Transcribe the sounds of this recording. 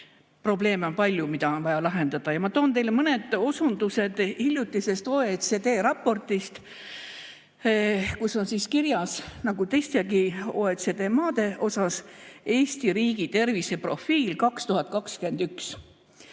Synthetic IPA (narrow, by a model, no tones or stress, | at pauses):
pro̞b̥le̞ːmo̞npɑlʲjumid̪̥ɑo̞nvɑjɑlɑɦe̞nd̪̥ɑd̪̥ɑjɑmɑt̪o̞ːnt̪e̞jlemɤne̞d̪̥o̞sund̪use̞d̪hilʲjut̪ːˑise̞st̪oːet̪sed̪e̞ːɾɑpːˑo̞rt̪ist̪ | kusːo̞nsiːskirjɑsnɑɡ̥ut̪e̞jst̪eɡioːet̪sed̪e̞ːmɑːd̪̥e̞ʔo̞sɑse̞ːsʲt̪iɾiːɡit̪e̞rvise̞pro̞fiːlkɑkst̪uhɑt̪̚ˑkɑkskye̞nd̪̥yks